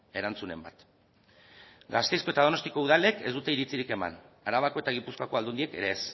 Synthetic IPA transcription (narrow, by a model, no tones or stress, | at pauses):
e̞ɾant͡sune̞̰mba̰t̪ | ɡast̪e̞jsko̞e̞t̪að̞o̞no̞st̪iko̞uðale̞ke̞zd̪ut̪e̞iɾit͡siɾike̞ma̰n | aɾaβako̞e̞t̪aɣ̞ipuskoako̞ald̪und̪ie̞ke̞ɾeːs